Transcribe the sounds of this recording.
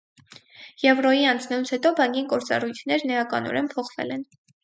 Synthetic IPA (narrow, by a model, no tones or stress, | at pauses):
jɛvrɔjiɑnt͡sʰnɛlut͡sʰhɛt̪ɔbɑŋkinkɔɾt͡sɑ̰rujt̪ʰnɛɾnəjɑkɑ̰nɔ̰ɾɛmpʰɔχvɛ̰lɛn